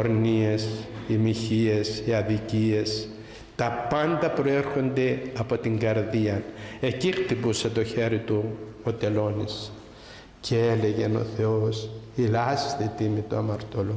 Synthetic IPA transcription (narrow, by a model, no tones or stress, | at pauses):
oɾnie̞simiçie̞siɐðicie̞s | t̪ɐpɐnd̪ɐpɾo̞e̞ɾxo̞nd̪e̞ɐpo̞t̪iŋɡɐɾðiɐne̞cixt̪ipuset̪o̞çe̞ɾit̪uot̪e̞lo̞nis | cʰeele̞ʝe̞no̞̰θe̞osilɐst̪et̪imit̪uɐmɐɾt̪o̞lu